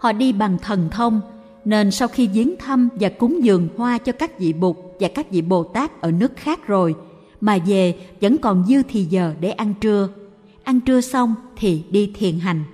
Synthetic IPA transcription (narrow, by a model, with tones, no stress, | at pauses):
hɔ̰˧˨ɗi˧ɓa˨˩ŋt̪ʰə˨˩nt̪ʰə˧wŋ͡m | ne˧nsa˧wxi˧zi˨˦ənt̪ʰə˧mvaː˨˩kʊ˨˦ŋ͡mzɨ˨˩əŋhwaː˧t͡ɕɔ˧kaː˦˥k̚vḭ˧˨ɓʊ˨˩k͡p̚vaː˨˩kaː˦˥k̚vḭ˧˨ɓo˨˩t̪aː˦˥k̚ʔəː˧˩nɨ˦˥ək̚xaː˦˥k̚zo˨˩j | maː˨˩ve˨˩və̰˧˥nkɔ˨˩nzɨ˧t̪ʰi˨˩zəː˨˩ɗe˧˩ʔa˧nt͡ɕɨ˧ə | ʔa˧nt͡ɕɨ˧əsa˧wŋ͡mt̪ʰi˨˩ɗi˧t̪ʰi˨˩ənɦa˨˩jŋ̟